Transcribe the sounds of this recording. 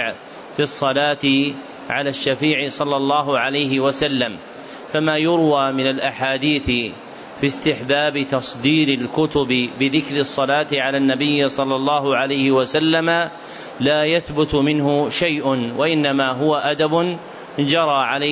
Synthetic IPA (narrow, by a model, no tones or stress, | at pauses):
ʕ | fisˤːɑlaːt̪ɪ | ʕalaːʃːafiːʕɪsˤɑlːɑlˤːɑːɦʊʕalajɦɪwasalːam | famaːjʊɾwaːmɪnalʔaħaːd̪iːθɪ | fist̪ɪħbaːbɪt̪ɑsˤd̪iːɾɪlkʊt̪ʊbɪbɪðɪkɾɪsˤːɑlaːt̪ɪʕalaːnːabɪjːsˤɑlːɑlˤːɑːɦʊʕalajhɪwasalːama | laːjaθbʊt̪mɪnhʊʃajʔnwaʔɪnːamaːɦʊwaʔad̪abʊn | d͡ʒɑɾˤɑːʕala